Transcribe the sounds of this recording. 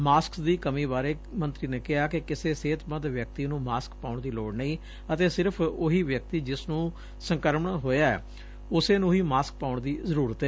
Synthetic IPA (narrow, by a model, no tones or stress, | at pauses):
maːsksd̪iːkəmĩːbaːɾeː | mə̃nt̪ɾiːneːkɪɦaːkɪkɪseːseːt̪bəd̪ʋjək̚t̪iːnũːmaːskpaːʊɳd̪iːloːɽnəĩː | ət̪eːsɪɾpʰʊɦiːʋjək̚t̪iːd͡ʒɪsnũː | səŋkəɾmɳɦoːjaːɛ̰ː | ʊseːnũːɦiːmaːsk̚paːʊɳd̪iːzəɾuːɾət̪ɛː